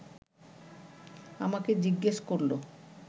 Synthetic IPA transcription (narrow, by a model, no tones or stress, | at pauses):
amaked͡ʑiɡːeʃkoɾlo